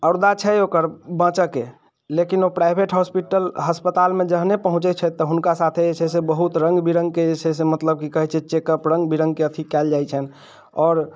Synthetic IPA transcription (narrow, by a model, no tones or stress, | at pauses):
əɾd̪at͡ʃʰɛokəɾbãt͡ʃəke | lekinopɾaɪbʱeʈɦɔspiʈəlɦəspət̪almẽd͡ʒəɦnepəɦũt͡ʃɛt͡ʃʰɛt̪ːɔɦunkasat̪ʰeet͡ʃʰesebəɦut̪ɾə̃ŋɡbiɾə̃ŋɡ̚keet͡ʃʰesemət̪ləb̚kikəɦɛt͡ʃʰɛt͡ʃekəpɾə̃ŋɡbiɾə̃ŋɡ̚keət̪ʰikɛld͡ʒajt͡ʃʰən | ɔːɾ